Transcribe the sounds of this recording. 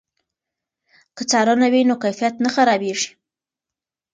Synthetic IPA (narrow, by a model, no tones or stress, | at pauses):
kət͡sɑɾanawinokajfijat̪naxaɾɑbeʐi̥